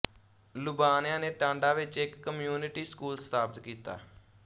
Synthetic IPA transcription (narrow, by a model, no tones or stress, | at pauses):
lʊbaːnjãːneːʈãːɳɖaːʋɪt͡ʃɪkːəmjuːnɪʈiːskuːlst̪aːbət̪kiːt̪a̰ː